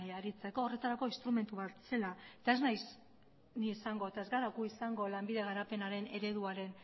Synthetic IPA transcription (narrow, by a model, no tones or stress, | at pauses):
aɾit͡se̞ko̞ːre̞t̪aɾako̞inst̪ɾume̞nt̪uβase̞lae̞t̪ae̞znajs | niːsaŋɡo̞et̪aezɡaɾakuisaŋɡo̞lambiðe̞ɣ̞aɾape̞naɾe̞neɾe̞ðuaɾe̞n